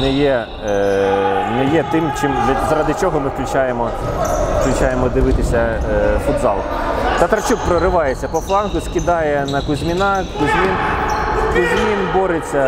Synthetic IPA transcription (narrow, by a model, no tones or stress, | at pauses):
nɛjɛ | nɛjɛt̪ɪmt͡ʃɪmd̪lʲɐzɐɾɑd̪ɪt͡ʃɔɦɔmɪfklʲʊt͡ʃajemɔ | fklʲʊt͡ʃajemɔd̪ɪʋɪt̪ɪsʲɐfʊd̪zɑlˠɔm | t̪ɐt̪ɾɐt͡ʃuk̚pɾɔɾɪʋɑjet͡sʲːɐpɔflˠɑnkʊskʲɪd̪ɑjɛnɐkʊzʲmʲinɑkʊzʲmʲinskʊzʲmʲinbɔɾet͡sʲːɐ